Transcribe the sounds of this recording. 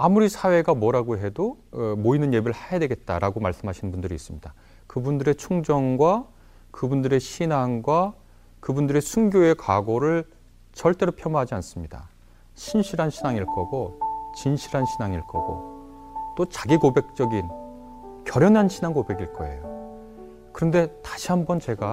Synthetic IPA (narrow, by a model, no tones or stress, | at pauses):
amuɾisʰawe̞ɡamwʌɾaɡoɦe̞domoinɯnje̞bɾɯɭhajadwe̞ɡe̞t̚t͈a̰ɾaɡomaɭs͈ɯmɦaɕʰinɯnmbundɯɾiːs͈ɯmɲid̥a | kɯbundɯɾe̞t͡ɕʰuŋd͡ʑʌŋɡwa | kɯbundɯɾe̞ɕʰinaŋɡwa | kɯbundɯɾe̞sʰuŋɡʲjoe̞kwaɡoɾɯɭ | t͡ɕʌɭt͈e̞ɾopʰjʌmʌɦad͡ʑians͈ɯmɲida̰ | ɕʰinɕʰiɾɦanɕʰinaŋiɭk͈ʌɡot͡ɕinɕʰiɾanɕʰinaŋiɭk͈ʌ̰ɡ̥o̰ | t͈ot͡ɕaɡiɡobe̞k̚t͡ɕ͈ʌɡin | kjʌɾjʌnɦanɕʰinaŋkobe̞ɡiɭk͈ʌe̞̰jo | kɯɾʌnde̞taɕʰiɦambʌnt͡ɕe̞ɡa